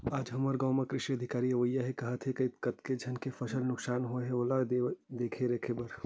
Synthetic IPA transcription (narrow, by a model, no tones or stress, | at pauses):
aːd͡ʒɦɐməɾɡɐːmekɾɪʃiəd̪ʱɪkaːɾiɐʋəjːaɦekɐɦət̪ɦekɐikɐt̪ked͡ʒʱɐnkefʰɐsəlnʊksaːnɦoeɦeolaed̪eːkʰeɾekʰebəɾ